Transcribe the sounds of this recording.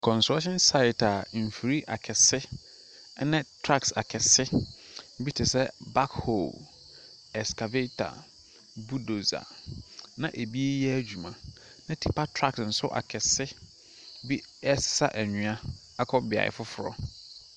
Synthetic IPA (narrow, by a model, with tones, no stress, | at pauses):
kʰɔ̃˨nsɔ˦ɕɪ̃˦nsa˦ɪ˨tʰa˨m̩˨fi˨ɾi˦ʔa̰˨kʰɛ˨sɪ˦ | nɛ̃˦tʰɾa˦ksa˨kʰɛ˨sɪ˦ | bi˦tʰɪ˨sɛ˦ba˦kho̰˨l | ɛ˨skʰa˨ve˦tʰa̰˨ | bu˦do˨za̰˨nã˦ʔe˨bi˦e˦jɛ˦æ˦d͡ʑᶣu˨mã˨ | nã˦tʰi˦˨pʰa˦tʰɾa˦ksn̩˨sʊ̰˦ʔa̰˨kʰɛ˨sɪ˦ | bi˦ɛ˦ssa̰˦ʔæ˨ɲũ˨ã˦ | a˦kʰɔ˦bɪ˨a̰˨ɪ̰˨fʊ˦fʊ˨ɾɔ̰˦